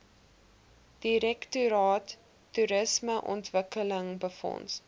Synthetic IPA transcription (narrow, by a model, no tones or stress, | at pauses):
d̥iɾɛktuɾɑːtː | uɾəsməʔɔ̰ntvəkələŋbəfɔ̰ns